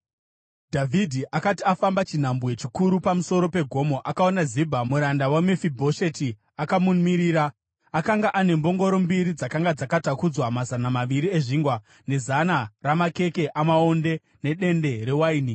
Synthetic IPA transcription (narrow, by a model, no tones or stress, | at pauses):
dʱavʱidʱiʔakatiafambat͡ʃin̤ambuje̞t͡ʃikuɾupamuso̞ɾo̞pe̞ɡʱo̞mo̞ʔakao̞nazibʱamuɾandawamefibʱoʃeti | akamumiɾiːɾa | akaŋɡaʔane̞mbo̞ŋɡo̞ɾo̞mbiɾid͡zakaŋɡad͡zakatakud͡zwamazanamaʋiɾie̞ʐiŋɡwa | ne̞zanaramake̞ke̞ʔamao̞nde̞ | ne̞ɗe̞nde̞ɾe̞waiːni